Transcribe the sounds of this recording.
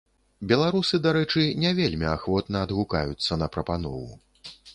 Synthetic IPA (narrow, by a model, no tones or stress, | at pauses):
bʲɛlˠaɾusɨd̪aɾɛt͡ʂɨnʲɛvʲelʲmʲiaxvɔt̪nɐːd̪ɣuka̰jut̪sːɐnɐpɾɐpanɔ̰vṵ